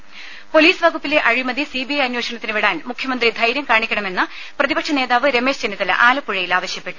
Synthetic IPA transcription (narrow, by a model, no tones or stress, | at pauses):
po̞liːsʋɐɡupːile̞ʔɐɻimɐðisiːbijɐjɐnːwoːɕɐɳɐt̪ːinɨʋiɽaːnmukʰjɐmɐnd̪rid̪ʱɐjɾjɐmkaːɳikʲːɐɳɐme̞nːɨ | prɐðibɐkʂɐneːðaːʋɨɾe̞me̞ːʂd͡ʑenːit̪ːɐlʔaːlɐpːuɻɐjilaːʋɐɕjɐpːe̞ʈːu̥